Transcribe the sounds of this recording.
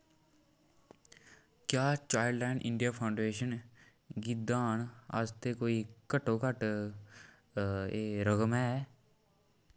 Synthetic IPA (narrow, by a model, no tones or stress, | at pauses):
kjaːt͡ʃaːjɖlɛ̃ːɳɖɪ̰ɳɖijaːpʰaːʊɳɖeːʃən | ɡid̪aːnə̰st̪eːkoːiːkəʈːõːkəʈ | eːɾəɡəmɦɛː